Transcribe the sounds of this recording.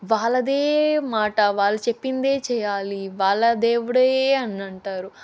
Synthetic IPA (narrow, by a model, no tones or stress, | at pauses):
ʋaːɭːɐd̪eːmaːʈɐʋaːɭːɐt͡ʃepːind̪e̞ːt͡ʃɛːjaːliʋaːɭːɐd̪eːʋuɽɐeɐnːɐɳʈaːɾu